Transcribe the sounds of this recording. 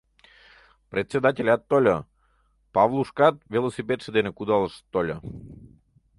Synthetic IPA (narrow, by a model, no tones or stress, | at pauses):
prʲet̪ʲsʲed̪ɑtʲelʲat̪ːolʲə | pɑvlˠuʃkɑt̪̚vʲelˠosʲipʲet̪ʃəd̪enekud̪ɑlˠəʃt̪ːolʲə